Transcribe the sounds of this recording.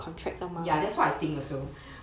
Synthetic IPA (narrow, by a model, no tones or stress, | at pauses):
kʰɔ̃ntʰɹɛk̚lamãjadɛtswaat̪ĩŋləsu